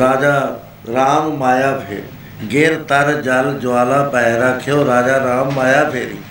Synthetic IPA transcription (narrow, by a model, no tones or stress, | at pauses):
ɾaːd͡ʒa | ɾaːmmaːjapʰḛː | ɡeːɾt̪ɐɾd͡ʒald͡ʒʊaːlapɛɦɾakʰejoɾaːd͡ʒaɾaːmːaːjapʰeːɾḭː